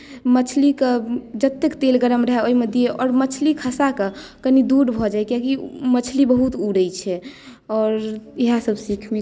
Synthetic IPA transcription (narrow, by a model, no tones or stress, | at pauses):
mət͡ʃʰliked͡ʒət̪ːekt̪elɡəɾəmɾəɦɛoimed̪ijeʔɔːɾmət͡ʃʰlikʰəsakekənid̪uɾbʱɔd͡ʒajkiakimət͡ʃʰlibəɦut̪uɾəjt͡ʃʰɛ | ɔɾiɦasəbsikʰme